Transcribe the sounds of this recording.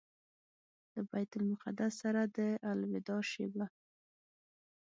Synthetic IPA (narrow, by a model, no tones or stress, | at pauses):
d̪̥əbajt̪ʊlmʊqad̪asːaɾad̪əʔalwɪd̪ɑʃeba